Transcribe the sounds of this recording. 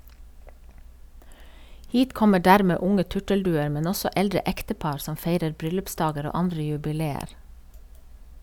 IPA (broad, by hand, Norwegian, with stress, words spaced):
ˈhiːt ˈkɔmə ˈɖæːɾmeː ˈʊŋə ˈtʉʈəlˌdʉːəɾ ˈmɛn ˈɔsɔ ˈʔɛldɹə ˈɛktəˌpɑɾ ˈsɔm ˈfeɪɾəɾ ˈbɾʏlʉpˌsdɑːɡəɾ ˈoː ˈɑndɾə jʉbɪˈleːəɾ